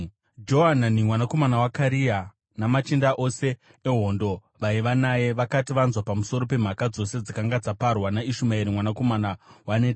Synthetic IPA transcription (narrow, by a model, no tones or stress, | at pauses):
d͡ʒo̞ɦananimwanako̞manawakaɾia | namat͡ʃindaʔo̞se̞ | eɦo̞ndo̞ | ʋaiʋanaje̞ʋakatiʋanzwapamuso̞ɾo̞pe̞m̤akad͡zo̞se̞d͡zikaŋɡad͡zaparwanaiʃumaiɾimwanako̞manawanet